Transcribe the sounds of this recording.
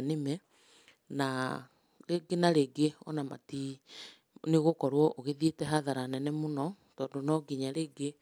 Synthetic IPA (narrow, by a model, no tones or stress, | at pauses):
nemɛ | na | ɾeɡenaɾeɡeɔnama̰ti | neɣokɔɾwɔʔoɣeðietɛɦaðaɾanɛnɛmonɔ | tɔːndonɔɡiɲaɾeːɡe